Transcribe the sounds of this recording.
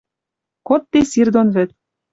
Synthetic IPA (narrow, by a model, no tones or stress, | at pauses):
kot̪ːesird̪onβɘ̆t̪̚